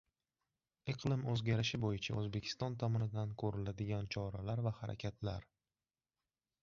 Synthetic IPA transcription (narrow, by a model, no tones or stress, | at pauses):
ɨqʰlɪmɵzɡʲaɾɪʃɪbojɪt͡ʃʰaɵzbe̞kʲʰɪ̥st̪ɒnt̪ʰɒmɒnɪd̪ankʰɵɾɪlad̪ɪɡʲant͡ʃʰɒɾalaɾvahaɾa̰kʲʰat̪ʰla̰ɾ